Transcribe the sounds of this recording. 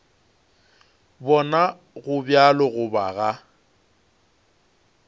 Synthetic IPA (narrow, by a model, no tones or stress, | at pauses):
bɔna | ɣʊbjalɔɣʊbaɣa